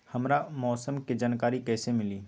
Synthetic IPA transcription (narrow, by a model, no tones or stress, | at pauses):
hɐmɾamɔːsəmked͡ʒaːnkaːɾikɛːsemɪliː